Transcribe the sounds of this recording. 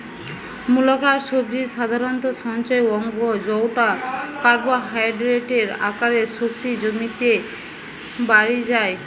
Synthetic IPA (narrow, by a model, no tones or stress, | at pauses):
mulakaɾsobd̪iʃad̪ʱaɾɔnt̪ɔʃɔnt͡ɕajɔŋɡod͡ʑɔwʈakaɾbaɦajɖɾeʈeɾa̰kaɾesok̚t̪id͡ʑomit̪e | baɾid͡ʑae